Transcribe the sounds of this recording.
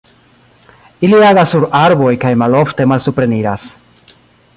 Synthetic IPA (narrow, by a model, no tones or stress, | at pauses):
iliaɣasuɾaɾβoikajmaloft̪emalsupɾeniɾas